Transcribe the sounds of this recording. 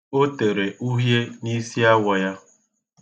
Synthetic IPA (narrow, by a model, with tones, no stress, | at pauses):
o˦te˨ɾe˨ʔu˦ɦje˦ni˦si˦a˦wɔ˨ja˦